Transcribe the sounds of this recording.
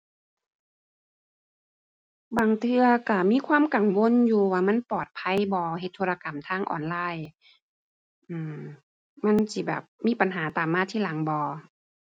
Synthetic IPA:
baː˨ŋt̪ʰɯ˧ɐka˧˩miː˧˥˨kʰwaː˧˥˨mka˨˩ŋwo˧˥˨njuː˧waː˧ma˧˥˨npɔː˨˩t̪̚pʰa˧˥˨jbɔː˧he˧˦t̪ʰːo˧la˧ka˨˩mt̪ʰaː˧˥˨ŋʔɔ̰ː˨˩nlaː˧˥˨j | ʔɯː˧˩m | ma˧˥˨nsi˧˦bɛ̰ː˨˩p̚miː˧˥˨pa˨nɦaː˨˩˦t̪aː˨˩mːaː˧˥˨t̪ʰiː˧˥la˨˩˦ŋbɔː˧˦

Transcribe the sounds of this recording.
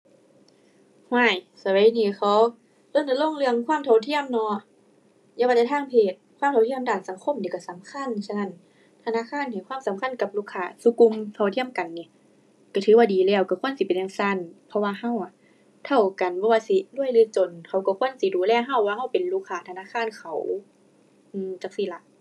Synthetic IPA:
haː˧˩˨j | sa˧wa˨˦niː˧˩xʰa˨˦w | lɤː˧˥˨nt̪a˧˦lo˧˥˨ŋlɯ˧˨əŋkʰwaː˧˥˨mt̪ʰa˧wt̪ʰi˧˥˨əmnɔ˧ | jaː˧˩waː˧t͡ɕa˧˩tʰaː˧˨ŋpʰeː˧˨˩t̪̚kʰwaː˧˨mtʰa˧˩wt̪ʰi˧ə˨mdaː˨˩nsa˨˦ŋkʰo˧˥˨mniː˧˩ka˧˩sa˨˦mkʰa˧˨nsa˧˨na˧˩˨n | t̪ʰa˧naː˧˥˨kʰaː˧˥˨nha˨˩˨kwaː˧˥˨msa˨˦mkʰa˧˥˨nka˧˦p̚luː˧˨kʰːaː˧˩su˧˦ku˧˨mt̪ʰa˧˩wt̪ʰi˧˥əmka˨nːi˧˨ | ka˧˩t̪ʰɯː˨˦waː˧diː˨lɛː˧˩wka˧˩kʰu˧˥ə˨nsi˧˦pe˨nːʔaː˧ŋsa˧˥˨npʰɔ˧waː˧ɦa˧˩˨wʔa˨ | t̪ʰa˧˩wka˨nbɔː˧˦waː˧si˧˦lu˧˥˩ə˨jlɯː˧˩t͡ɕo˨˩nhʰa˧˩wka˧˩kʰu˧˥˨ənsi˧˦duː˨˦lɛː˧˨ɦa˧˩wːaː˧ha˧˩wpe˨nluː˧˩kʰːaː˧˨t̪ʰa˧naː˧˥˨kʰaː˧˥˨nkʰa˨˩w | ʔɯː˧˨t͡ɕa˧k̚si˧˩la˧ʔ

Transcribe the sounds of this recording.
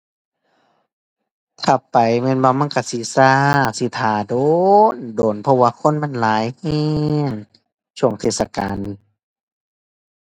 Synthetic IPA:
t̪ʰa˧˩pa˨jmɛː˧˨nwaː˧ma˧˥˨nka˧˩si˧˦saː˧si˧˦t̪ʰaː˨˩˦doː˧ndoː˨˩npʰɔ˧˨waː˧kʰo˧˥˨nma˧˥˨nlaː˨˦jhɛː˧ŋ | t͡ɕsʰu˧˩ə˨ŋt̪ʰeː˧˩t̪̚sa˧kaː˨n˧˨

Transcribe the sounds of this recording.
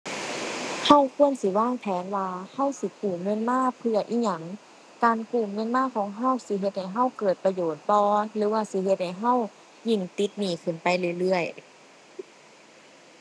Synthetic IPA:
ha˧˩˨wkʰu˧˥ənsi˧˦waː˧˥˩ŋp̪ʰɛː˨˦nwaː˧ha˧˥˨wsi˧˦kuː˨˩ŋɯ˧˥˨nmaː˧˥˨pʰɯ˧ɐ˨ʔiː˧˩ɲa˧˩ŋ | kaː˨nkuː˧˨˩mŋɯ˧˥˨nmaː˧˥˨kʰɔː˨˦ŋɦa˧˥˨wsi˧˦ɦe˧t̪̚ha˨˩jɦa˧˥˩wkɤː˨˩t̪̚pa˧joː˨˩t̪̚pɔː˧lɯː˨˦waː˧˩si˧˦he˧t̪̚ha˨˩jɦa˧˥˨w | ji˧˩ŋt̪i˧˦t̪̚miː˧˩kʰɯ˧˩˨npa˨˦jlɯ˧˨jlɯ˧˥˩əj

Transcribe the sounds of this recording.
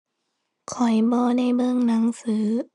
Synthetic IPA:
kʰɔ˨˩jbɔː˧na˧˥˩jbɤ˧˨ŋna˩˦ŋsɯː˩˦

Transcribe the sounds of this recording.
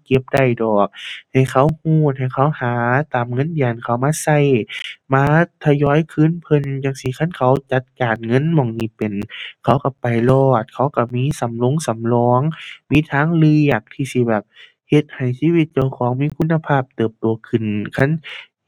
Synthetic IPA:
ke˧˦p̚da˧˩jdɔː˨˩k̚ha˨˩jkʰa˧˩whuː˧˩t̪̚ha˨˩jkʰa˧˩whaː˨˦t̪aː˨˩mŋɤ˧˥˨njaː˨˩nkʰa˧˩wmaː˧˥˨sa˧˩jmaː˧˥t̪ʰa˧jɔː˧˥˨jkʰɯː˧˥˨npʰɤ˧˨njaː˧˩ŋsi˧kʰa˧˥˨nkʰa˧˩wt͡ɕa˧t̪̚kaː˨˩nŋɤ˧˥˨nmɔː˧˩ŋniː˧˩pe˨˩nkʰa˧˩wka˧˩pa˨˩jlɔː˧˩t̪̚kʰa˧˩wka˧˩miː˧˥˨sa˨˦mlo˧˥˨ŋsa˨˦mlɔː˧˥ŋmiː˧˥˨t̪ʰaː˧˥˨ŋlɯ˧ə˨˩k̚t̪ʰiː˧˩si˧˦bɛː˨˩p̚ | he˧˩t̪̚ha˨˩jsiː˧˥wi˧˦t̪̚t͡ɕi˧˩əwkʰɔː˨˦ŋmiː˧˥˨kʰu˧˥nːa˧pʰaː˧˥˩p̚t̪ɤː˨˩p̚t̪u˨˩ɐkʰɯ˨˩nkʰa˧˥˨n

